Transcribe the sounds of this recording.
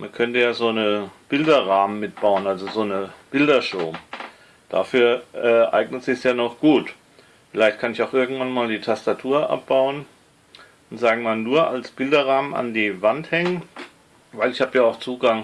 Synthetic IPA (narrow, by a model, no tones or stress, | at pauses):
mʔankʰœntəjaːzoːnəb̥ɪldɐʁaːmənmɪt̚b̥aʊənalzozoːnəb̥ɪldɐʃoːm | d̥a̰fyːɐʔɛːʔa̰ɪɡnətz̥ɪçsjaːnɔχɡ̥uːt | fɪlaɪçt̚kʰanɪçaʊxʔɪɐɡŋ̩tv̥anmaːldiːtʰastatʰuːɐʔa̰p̚b̥aʊən | ʊntz̥aːɡŋ̩maːlnuːɐʔa̰lsb̥ɪldɐʁaːməna̰ndiːvanthɛŋən | vaɪlɪçhaːbjaːaʊxt͡suːɡaŋ